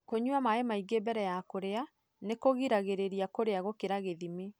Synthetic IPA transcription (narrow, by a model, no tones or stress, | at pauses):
koɲuamaemaiɡebɛɾɛjakoɾea | nekoɣiɾaɣeɾeɾiakoɾeaɣokeɾaɣeðime